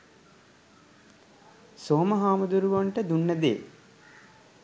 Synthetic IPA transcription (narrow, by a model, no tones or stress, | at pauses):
soːməɦaːmud̪uɾuʋoɳʈəd̪unːəd̪ḛː